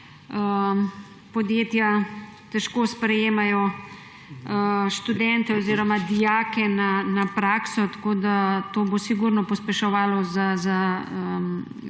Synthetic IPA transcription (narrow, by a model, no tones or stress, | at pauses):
ə | pɔd̪jeːt̪ja | t̪ɛʃkoːspɾɛjeːmajɔ | ʃt̪ud̪ɛnt̪ɛɔziːɾɔmad̪ijaːkɛnanapɾaːksɔt̪ḁkoːd̪at̪oːbosiɡuɾnɔpɔspɛʃɔʋaːlɔzazaə